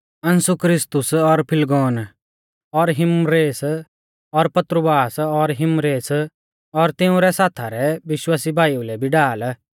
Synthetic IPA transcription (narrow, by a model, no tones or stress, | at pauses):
ɐ̃nsʊkɾɪst̪ʊsɔɾpʰɪlɡɔːn | ɔɾɦɪmɾeːs | ɔɾpɐt̪ɾəbaːsɔɾɦɪmɾeːs | ɔɾt̪ɪ̃ʊ̃ɾɛsaːt̪ʰaɾɛʋɪʃwaːsibʱaːiulɛbʱiɖaːl